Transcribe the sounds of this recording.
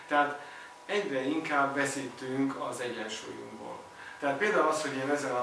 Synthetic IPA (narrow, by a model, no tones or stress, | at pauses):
t̪ɛɦaːt̪ | ɛɟrɛiŋkaːbːɛsiːt̪yŋkɒ̰zɛɟɛnʃṵːjṵŋɡbo̰ːl | t̪ɛɦat̪̚peːld̪aːulɒsho̞ɟeːnɛzɛnɒ